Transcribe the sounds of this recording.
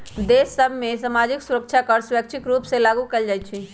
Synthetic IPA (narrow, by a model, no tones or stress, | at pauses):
d̪eːsːəbʱmẽsamaːd͡ʒɪksuɾək̚t͡ʃʰakəɾsjək̚t͡ʃʰɪkɾuːpselaːɡukeld͡ʒaːjt̪t͡ʃʰi